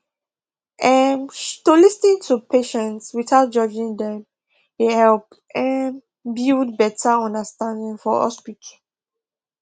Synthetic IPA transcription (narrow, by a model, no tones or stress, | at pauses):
ʔɛmtolisnĩŋtʰupʰeʃɛ̃ntswiθaʊt̚d͡ʒɔd͡ʒĩŋdɛ̃m | ehɛlp | ɛ̃n | bildbɛtʰaɔ̃ndəstãndĩŋfɔɔ̰spit